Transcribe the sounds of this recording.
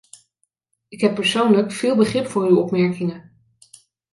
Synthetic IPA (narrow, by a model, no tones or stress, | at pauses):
ɪkɦɛpːəɹsownləkfɪːlˠbəχrɪpfʊːɹywɔpmɛɹkɪŋə